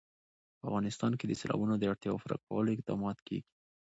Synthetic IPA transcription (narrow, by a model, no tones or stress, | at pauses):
pəavɣɑnɪst̪ɑnked̪əselɑ̰bunod̪əaɽt̪jɑo̰faɾa̰kawəloɪq̚d̪ɑ̰mɑt̪kḛɡi̥